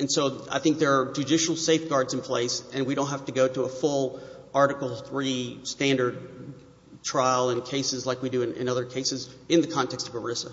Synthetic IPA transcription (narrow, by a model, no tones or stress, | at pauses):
ɨ̃nsoʊa̰ɪθɪ̃ŋk̚ðə˞ːd͡ʒɨdɪʃl̩ˠseɪfɡ̥ɑɹdzɨ̃n̩pʰl̥eɪsɨ̃nwiɾõʊ̃n̚tɦæftɨɡoʊɾəəfʊlˠ | ɑɹɾɨkl̩ˠθɹistæ̃ndə˞d̚ | tʰɹ̥aɪlˠə̃nkʰeɪsɨzlaɪkwidɨɨ̃nɪ̰̃nʌðə˞kʰeɪsɨzɨ̃nðɨkʰɑ̃ntʰɛkstʌvə˞ɪsə